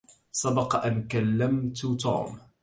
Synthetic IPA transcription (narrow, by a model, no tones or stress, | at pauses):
sˤɑbɑqɑʔankalːamt̪t̪ṵːm